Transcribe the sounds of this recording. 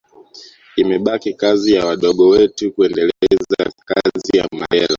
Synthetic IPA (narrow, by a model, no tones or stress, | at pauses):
imɛɓakikazijawaɗɔɠɔwɛtukuɛndɛlɛɛza̰kazija̰ma̰ɛla̰